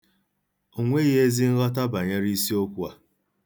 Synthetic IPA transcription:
o˨ŋʷe˦ɣe˦zi˦n̩˦ɣɔ˦t̬a˦ba˨ɲe˦ɾi˦si˦o˦kʷu˦a˨

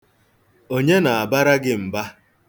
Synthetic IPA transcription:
o˦ɲe˦na˨a˨ba˦ɾa˦ɡɪ˦m̩˨ba˦

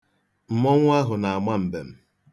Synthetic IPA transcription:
m̩˨mɔ˦ŋʷ˦a˦ɦʊ˨na˨a˨ma˦m̩˨be˨m̩˦

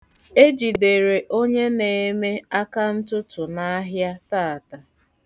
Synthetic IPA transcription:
e˦d͡ʒi˨de˨ɾe˨ʔo˦ɲe˦ne˨˦me˦a˦ka˦n̩˦tʊ˦tʊ˨na˦ɦja˦taː˦˨ta˨

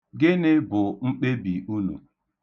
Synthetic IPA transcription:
ɡɪ˦nɪ˦bʊ˨ŋ͡m̩˦k͡pe˦bi˨u˦nṵ˨

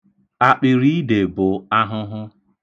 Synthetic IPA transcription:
a˨k͡pɪ˨ɾi˦i˦de˨bʊ˨a˦ɦʊ˦ɦʊ˦

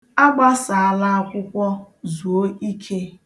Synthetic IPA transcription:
a˦ɡ͡ba˦sa˨a˨la˦a˦kʷʊ˦kʷɔ˦ | zu˨o˦i˦kʰe˦

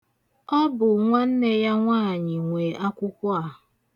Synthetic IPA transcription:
ɔ˦bʊ˨ŋʷa˦n̩˦ne˦ja˦ŋʷaː˦˨ɲɪ˨ŋʷe˨ʔa˦kʷʊ˦kʷʊ˦a˨

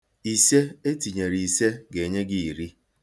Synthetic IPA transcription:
i˨se˦e˦ti˨ɲe˨ɾi˨se˦ɡe˨ɲe˦ɡɪ˦i˨ɾi˦

